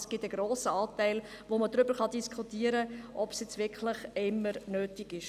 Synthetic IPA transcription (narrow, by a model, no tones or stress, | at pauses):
sɡ̥ɪtəɡ̥ɾoːsəɑːtæɪl | ʋomədɾʏbəɾχɑdiskʰχutiːəɾəʔɔpsjɛt͡svɪkχlɪχɪmːəɾnøːtiɡɪʃ